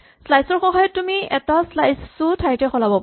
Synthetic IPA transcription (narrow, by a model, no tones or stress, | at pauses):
slajsɔɹxɔɦɔjɔtːumiɛ̰taslajsutʰaɹjtɛxɔlabɔp